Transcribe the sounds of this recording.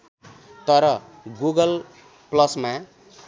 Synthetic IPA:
t̪ʌɾʌ | ɡuɡʌl | plʌsma

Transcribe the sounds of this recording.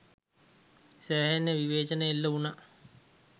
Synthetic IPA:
sæːɦenːeʋiʋeːt͡ʃənəelːɐuna

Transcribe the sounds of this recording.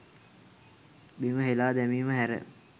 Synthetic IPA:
biməɦelaːd̪ɛmiːməɦæɾə̰

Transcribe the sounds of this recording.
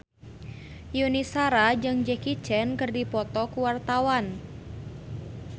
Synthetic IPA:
junisaɾad͡ʒɨŋd͡ʒɛkit͡ʃɛnkɨrdipɔt̪ɔkuwart̪awan

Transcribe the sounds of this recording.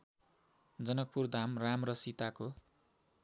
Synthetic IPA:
d͡zʌnʌk̚purd̪ʱamramrʌsit̪ako

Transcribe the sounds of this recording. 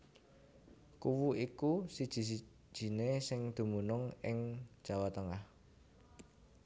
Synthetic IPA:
kuwuikusid̥ʒ̥i̤s̬i̥ | ʒ̥i̤nesɪŋd̪̥ṳmunʊŋɪŋ̥ʒ̥a̤wat̪əŋah

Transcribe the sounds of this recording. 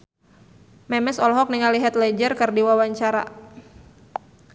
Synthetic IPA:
mɛmɛsɔlɦɔk̚niŋaliɦat̪lɛd͡ʒərkɨrdiwawaɲt͡ʃaɾa̰

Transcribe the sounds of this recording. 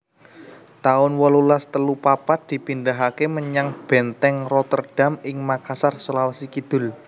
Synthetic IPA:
t̪aʊnwɔlulast̪əlupapat̪̚d̪̥i̤pind̪aɦakeməɲaŋb̥ɛ̤nt̪ɛŋrɔt̪ərɖ̥a̤mɪŋmakasarsolawasikid̪̥ʊ̤l

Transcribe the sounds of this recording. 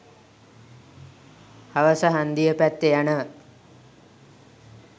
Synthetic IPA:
haʋəsəɦand̪ijəpæt̪ːejanə

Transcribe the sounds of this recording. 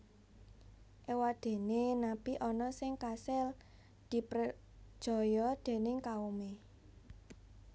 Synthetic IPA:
ʔewad̪̥e̤nenapiʔɔnɔsɪŋkasɛl | d̪̥i̤pɾə | d̥ʒ̥ɔ̤jɔd̪̥e̤nɪŋkaume

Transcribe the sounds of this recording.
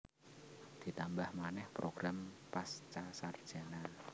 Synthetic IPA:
d̪̥i̤t̪ambahmanɛhpɾoɡ̥ɾampast͡ʃasard̥ʒ̥a̤nan

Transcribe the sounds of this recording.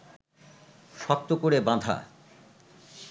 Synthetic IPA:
ʃɔt̪ːokoɾebãd̪ʱa̰

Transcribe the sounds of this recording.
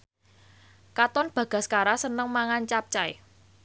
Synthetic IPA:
kat̪ɔnb̥ä̤ɡ̥a̤skaɾasənəŋmaŋant͡ʃap̚t͡ʃaj

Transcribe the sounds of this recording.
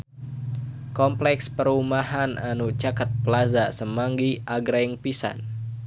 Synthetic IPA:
kɔmplɛkspəɾumaɦananut͡ʃakat̪̚pəlazasəmaŋɡiʔaɡɾaŋpisa̰n

